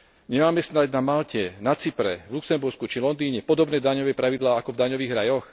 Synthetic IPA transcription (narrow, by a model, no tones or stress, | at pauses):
ɲɛmaːmɛsnaɟnamalcɛnat͡sipɾɛ̰vluksɛmbuɾskut͡ʃilɔnd̪iːɲɛpɔd̪ɔbnɛːd̪aɲɔʋɛːpɾaʋid̪laːakɔvd̪aɲɔʋiːɣɾajɔx